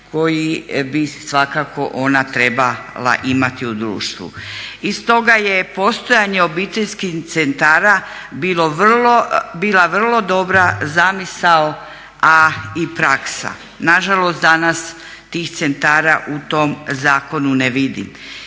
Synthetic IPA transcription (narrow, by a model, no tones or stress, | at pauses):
ko̞jibisʋakako̞ʔo̞nat̪ɾebala̰ʔimat̪iud̪ɾṵːʃt̪ʋṵist̪o̞ɡajepo̞st̪o̞jaɲe̞o̞bit̪eʎskit̪sent̪aːɾa | bilo̞ʋrlobiːlaʋr̩lˠo̞d̪o̞bɾazamisao | aipɾaksa̰ | naʒalˠost̪d̪anas | t̪iːxt̪sent̪aːɾaʔut̪o̞mzaːko̞nuneʋid̪ḭm